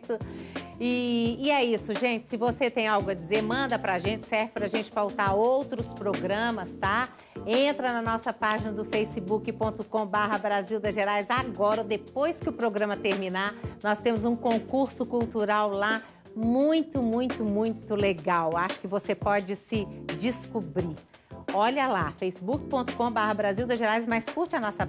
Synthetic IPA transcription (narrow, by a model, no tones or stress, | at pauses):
t̪ʊɪːɛisʊʒẽt͡ʃɪ̥sɪvoset̪ẽj̃awɡʊɐd͡ʒizeɾmɐ̃nd̪ɐpɾaʒẽnt͡ʃɪ̥sɛɾvɪpɾaʒẽnt͡ʃɪ̥fawt̪aɾowt̪ɾʊspɾoɡɾɐ̃mɐst̪a | ẽnt̪ɾɐnɐnɔsɐpaʒinɐd̪ʊfejsɪbukɪpõnt̪ʊkõbaɦɐbɾaziwd̪ɐʒeɾajzaɡɔɾɐd̪epojskɪʊpɾoɡɾɐ̃mɐt̪eɾmĩnanɔst̪ẽmʊzũkõkuɾsʊkuwt̪uɾawla | mũj̃t̪ʊmũj̃t̪ʊmũj̃t̪ʊleɡawaʃʊ̥kɪvosepɔd͡ʒɪsɪd͡ʒɪskubɾi | ɔʎɐlafejsɪbukɪ̥põnt̪ʊ̥kõbaɦɐbɾaziwd̪ɐʒeɾajzmɐskuɾt͡ʃɪanɔsɐ